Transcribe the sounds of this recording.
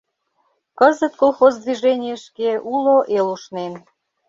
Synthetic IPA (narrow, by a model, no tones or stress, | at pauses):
kəzət̪̚kolˠxozd̪viʒenʲɪjəʃkeʔuloʔeluʃnen